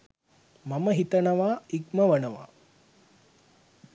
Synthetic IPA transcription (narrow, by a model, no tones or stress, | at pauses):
mɐmɐɦit̪ɐnɐʋaːiɡmɐʋɐnɐʋa̰ː